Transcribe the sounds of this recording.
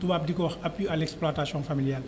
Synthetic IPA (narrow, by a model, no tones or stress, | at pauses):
tuwaːp̚dikɔwɐxɐpːialɛksploataːsjɔ̃familjal